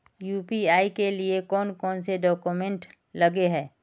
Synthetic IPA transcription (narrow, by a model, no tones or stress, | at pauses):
juːpiaːikeliekɔːnkɔːnseɖɔːkumẽɳʈ | lɐɡeɦɛː